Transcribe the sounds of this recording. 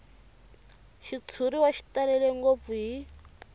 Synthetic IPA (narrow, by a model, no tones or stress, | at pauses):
ʃit͡sʰuɾiwaʃi̥tʼalɛlɛŋɡop̪fuɦi